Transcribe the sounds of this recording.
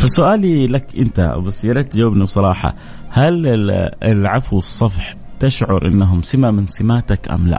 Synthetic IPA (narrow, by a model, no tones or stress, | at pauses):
fasʊʔaːlilakʔɪnt̪a̰bɪsɪjːɑɾˤɑt̪d͡ʒawabnibsˤɑɾˤɑːħɑ̰ | hal | ɪlʕafwɨsˤːɑfħ | t̪ɪʃʕʊɾʔɪ̰nːaɦʊmsɪmamɪnsɪmaːt̪akʔa̰mla̰ʔ